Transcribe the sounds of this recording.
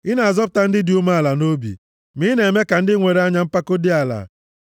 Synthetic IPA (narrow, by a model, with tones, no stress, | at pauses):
ɪ˦na˨a˨zɔ˦p̬ʊ˨ta˦n̩˦dɪ˦di˨˦u˦ma˦a˨la˨no˦bḭ˨ | mi˦ne˨me˦ka˨n̩˦dɪ˦ŋʷe˨ɾe˨˦a˦ɲa˦m̩˦pa˦ko˦dɪ˦a˨la̰˨